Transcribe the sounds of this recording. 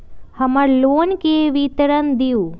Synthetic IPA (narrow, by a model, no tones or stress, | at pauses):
həməɾloːnkeʋit̪ɾənd̪iuː